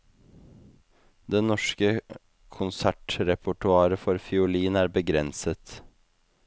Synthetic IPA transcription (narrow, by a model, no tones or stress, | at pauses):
d̪ɛnɔʂkə | kʰʊnsæʈɾɛpʰʊʈʉɑːɾəfɔɾfɪʊliːnæːɾbəɡɾɛnsət̪